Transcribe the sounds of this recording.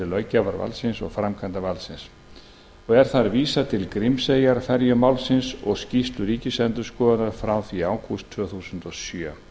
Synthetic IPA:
ɪlœːɥcavaɾva̰lsɪnsɔ̰ɣfɾamkʰant̪avalsɪns | ɔɣɛɾ̥θaɾviːsat̪ʰɪlkɾɪmseːjaɾfɛɾjʏmaːwlsɪnsɔɣscist̪lʏɾiːcɪsɛnt̪ʏskɔːðanaɾ̥fɾawθiaːwkʰust̪ʰːvœːθusʏnt̪ɔsjœː

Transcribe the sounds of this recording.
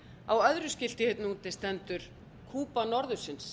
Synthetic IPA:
awœðɾʏscɪl̥t̪ɪhɪt̪nuːt̪ɪst̪ɛnt̪ʏɾ̥ | kʰuːpanɔɾðʏsɪns

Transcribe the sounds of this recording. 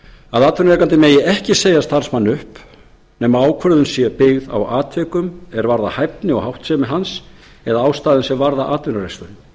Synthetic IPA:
aðaːt̪vʏnɾɛkant̪ɪmeːjɪɛhcɪseːjast̪aɾ̥smanːʏhp | nɛːmaaːwkʰvœɾðʏnsjɛpɪɣða̰waːt̪ʰvɛːkʏmɛɾvaɾðahajp̚nɪɔhawht̪sɛmɛɦans | ɛðaaːwst̪aːðɪnsɛmvaɾðaʔaːt̪vʏnʏɾest̪anɪm

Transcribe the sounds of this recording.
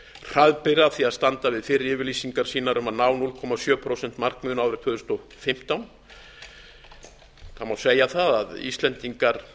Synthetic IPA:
r̥aðpɪɾaθiaðst̪ant̪avɪðfɪɾɪɾɪːvɪɾlisiŋkaɾ̥siːnaɾʏmaðnaːwnulkʰɔmasjœːpʰɾowsɛn̥t̪mar̥kmʏːnaːwɾɪɾt̪ʰvʏːðʏst̪ɔ | fɪm̥t̪awn | θamawseːjaθaðaðḭst̪lɛnt̪iŋkaɾ̥

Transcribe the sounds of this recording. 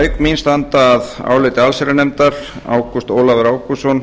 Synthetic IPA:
ɥkminst̪ant̪aːða̰ːwlɪt̪ɪalsɛɾɪnɛmt̪aɾ̥ | a̰ːwkust̪oːwlavɛɾaːwkusɔn

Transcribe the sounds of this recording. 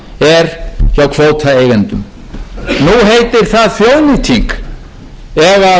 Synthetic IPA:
ɛɾ̥çawkʰvoːwt̪ʰaejɣɛnt̪ʏm | nuɦeːjt̪ɪɾ̥θaðθjownɪt̪ʰiŋk | ɛva

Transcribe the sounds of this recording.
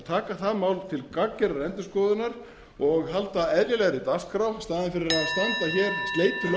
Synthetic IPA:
t̪ʰaːkaθaðmaːwlt̪ʰɪlkakːɛɾaɾɛnt̪ʏskɔːðʏnaɾ̥ | ɔɣɦalt̪aɛðɾjɪlɛɣɾɪt̪askʰɾawst̪aːðɪnfɪɾɪɾaðst̪ant̪açɛɾst̪leːjt̪ʰɪl

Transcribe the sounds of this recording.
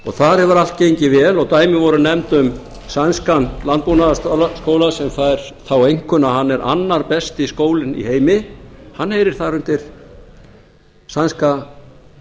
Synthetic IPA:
ɔ̰ɣθaɾɛvʏɾal̥t̪̚cejɲcɪvɛːlɔɣt̪aːjmɪvɔɾʏnɛmt̪ʏm | sanskanlant̪̚punaðskoːwlasɛmfaːjɾ̥θawejŋ̥kʏnaɦanːɛɾʔa̰nːaɾpɛst̪ɪiskoːwlɪnḭheːjmɪhanːhejɾɪɾ̥θaɾʏn̥t̪ɪɾ̥ | sanska

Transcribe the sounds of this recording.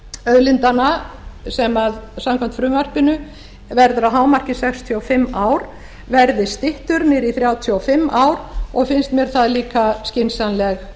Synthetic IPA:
œðlɪnt̪anasɛmaðsamkʰam̥t̪fɾʏːmar̥pɪnʏ | vɛɾðʏɾaðɦaːwmar̥cɪsɛkst̪ʰiɔfɪmːaːwɾ̥ | vɛɾðɪst̪ɪht̪ʏɾnɪɾiθɾjaːwt̪ʰjɔɔfɪmːaːwɾ̥ɔɣfɪnst̪mjɛɾ̥θaðliːkascɪnsanlɛɣ

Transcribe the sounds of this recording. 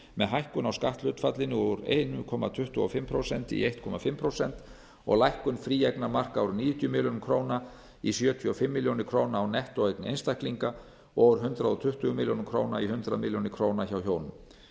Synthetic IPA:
mɛðɦajhkʏnawskaht̪lʏːt̪fat̪lɪnʏoːʏɾḛjnʏkʰɔːma̰t̪ʰʏht̪ʏɔfɪmːpʰɾowsɛnt̪ḭejht̪kʰɔmafɪmːpʰɾowsɛnt̪ | ɔ̰ɣlajhkʏnfɾiːɛjknamar̥kawɾʏniːjʏt̪ʰjʏmɪljonʏmkʰɾoːwna | isjœːt̪ʰiɔfɪmːɪljownɪɾ̥kʰɾoːwnaːwnɛht̪ɔɣejknɪḛjnst̪ajhkliŋka | ɔːʏɾ̥ɦʏnt̪ɾaðɔt̪ʰʏht̪ʏɣʏmɪljownʏmkʰɾoːwnaihʏnt̪ɾaðmɪljonɪkʰɾoːwnaçawçoːwnʏm

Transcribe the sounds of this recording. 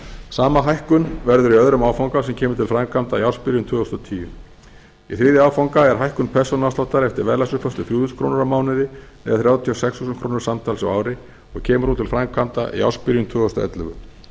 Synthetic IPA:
saːmaɦajhkʏnvɛɾðʏɾiœðɾʏmaːwfawŋkas̬ɛmcʰɛːmʏɾt̪ʰɪlfɾaŋkʰamt̪ajawspɪɾjʏnt̪ʰvʏːɣɔst̪ɔt̪ʰiːjʏm | iθɾiːðɪawfawŋkaɛɾ̥ɦajhkʏnpʰɛr̥sɔnast̪awt̪aɾɛft̪ɪɾvɛðlasʏfœst̪ʏθjuːðʏskʰɾoːwnʏɾawmaːwnɪðɪ | ɛ̰ðaθɾjaːwt̪ʰiɔsɛkshusʏnkʰɾoːnɪɾ̥samt̪ʰaːlsa̰wawɾɪ | ɔɣcʰɛːmʏɾ̥hunt̪ʰɪlfɾaŋkʰamt̪a̰ja̰wspɪɾjʏt̪ʰvʏːɣɔst̪a̰ɛ̰t̪lʏ̰ɣʏ̰

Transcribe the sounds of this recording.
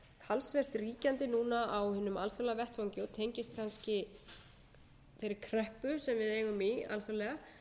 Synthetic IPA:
t̪ʰalsvɛr̥t̪riːcant̪ɪnuːnaʔawhɪnːʏma̰lθɔlavɛht̪fowɲcɪɔt̪ʰejɲcɪst̪̚kʰanscɪ | fɪɾɪɾ̥kʰɾœhpʏsɛmvɪðejɣʏmia̰lθɔlɛɣa

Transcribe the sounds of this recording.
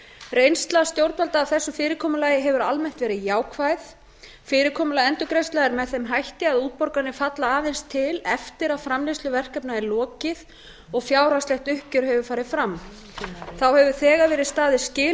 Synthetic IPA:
rejnst̪last̪jowɾt̪valt̪aːwθɛsːʏfɪːɾɪkʰɔːmʏlaːjɪɦɛvʏɾalmɛn̥t̪vɛːɾɪðjaːwkʰvajθ | fɪːɾɪɾkʰɔːmʏlajɛnt̪ʏkɾejst̪laɣɾmɛðθɛmɦajht̪ɪaðuːt̪̚pɔɾkanɪfat̪laːvejnst̪ʰːɪlɛft̪ɪɾaðfɾamlist̪lʏvɛr̥kɛpnaɪlɔːcɪð | ɔɣfjaːwɾast̪ɛht̪ʏhcʏɾ̥ɦɛvʏfaːɾɪðfɾamː | θawhɛvʏ̥θɛːɣavɛːɾɪðst̪aːðɪscɪː

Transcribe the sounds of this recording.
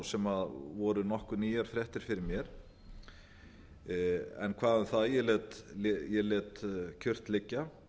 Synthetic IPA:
sɛmaðvɔːɾʏnɔhkʏniːjaɾ̥fɾjɛht̪ɪɾ̥fɪɾɪɾmjɛɾ̥ | ɛ̰nkʰvaːðʏnθaðjɛlɛːt̪ljɛlɛːt̪cʰʏr̥t̪lɪcːa

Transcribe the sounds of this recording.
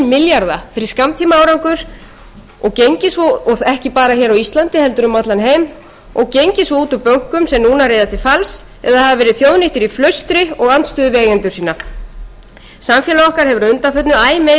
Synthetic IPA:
mɪljaɾðafɪɾɪskamt̪ʰiːmaaːwɾawŋkʏɾ̥ | ɔɣcejɲcɪsvɔɔθɛhcɪpaːɾaçɛːɾawist̪lant̪ɪhɛlt̪ʏɾʏmat̪lanɦejm | ɔɣcejɲcɪsɔuːt̪ʏpœŋ̥kʏmsɛmnuːnareːjðat̪ʰɪlfals | ɛ̰ðaðhavavɛːɾɪðθjowðnɪht̪ɪɾiflœɥst̪ɾɪɔɣanst̪ʏːðʏvɛːjɛnt̪ʏ̥siːna | samfjɛlaɔhkaɾ̥hɛvʏɾaʏnt̪afœt̪nʏaːjme

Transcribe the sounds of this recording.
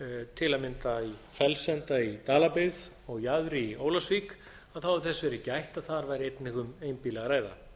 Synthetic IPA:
t̪ʰɪlamɪnt̪aifɛlsɛnt̪ait̪aːlapɪð | ɔɣjaðɾɪioːwlasvik | aðθawɪθɛsvɛɾɛcɪajht̪aðθaɾvajɾɪejt̪nɪŋkʏmejmpilɛɣaɾaːjða̰

